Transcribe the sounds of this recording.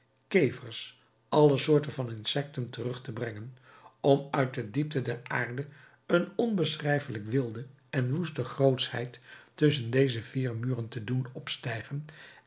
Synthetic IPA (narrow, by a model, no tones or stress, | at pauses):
kejvəɹs | ʔɑləsʊːɹtənvɑnɪnsɛk̚təntərɵχtəbrɛŋən | ɔmœɥt̚dədip̚tədɛraːɹdə | ənɔnbəsrɛjfələkʋɪlˠdə | ɛnʋustəχrowtshɛ̰jttɵs̬əndejzəv̥iːɹmyːrəntədunɔpstɛjχən